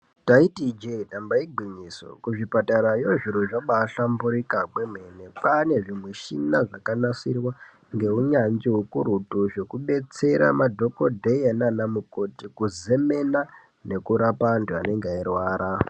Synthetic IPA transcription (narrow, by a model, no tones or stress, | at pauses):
taitid͡ʒedambaiɡʱiɲiso̰kuʐipataɾajoʐiɾoʐaɓaːɬambuɾikakwemwe̞nepane̞ʐimwe̞ʃinaʐakanasirwa | ŋɡe̞uɲanziɦukuɾutuʐe̞kuɓe̞t͡se̞ɾa̰madʱo̞ko̞dʱeenanamuko̞tikuzeme̞na | ne̞kuɾapantuane̞ŋɡeairwaːɾa